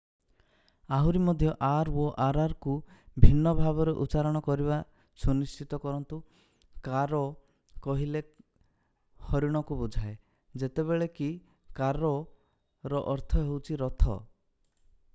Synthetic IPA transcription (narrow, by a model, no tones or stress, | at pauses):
aɦuɾimɔd̪ʱjɔʔaɾoʔaɾaɾkubʱinːɔbʱabɔɾeʔut͡ʃaɾɔɽ̃ɔkɔɾiba | sunist͡ʃit̪ɔkɔɾɔnt̪u | kaɾɔ | kɔɦile | hɔɾiɽ̃ɔkubud͡ʒʱae | d͡ʒet̪eβeɭeki | kaɾɔ | ɾɔʔɔɾt̪ʰɔɦewt͡ʃʰiɾɔt̪ʰɔ̰